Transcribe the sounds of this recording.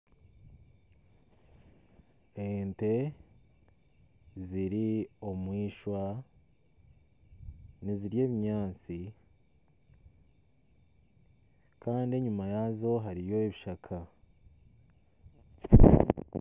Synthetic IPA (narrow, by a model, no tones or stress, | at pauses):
ente̞ | ziɾio̞mwiːʃwa | niziɾje̞ːβiɲaːt͡si | kaːndie̞ɲumajaːzo̞ɦaɾijo̞eβiʃakʰa